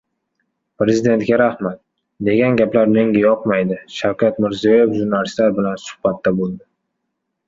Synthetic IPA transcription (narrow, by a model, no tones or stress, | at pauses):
pɾe̞zid̪e̞nt̪̚ɡʲaɾahmat̪̚ | d̪e̞ɡʲanɡʲaplaɾme̞ŋʲajɒqmajd̪ɪʃawkʲʰat̪mɪɾzijɒjefʒʊɾnalɪst̪laɾbɪlansʊ̥hbat̪ʰːabolˠd̪ɪ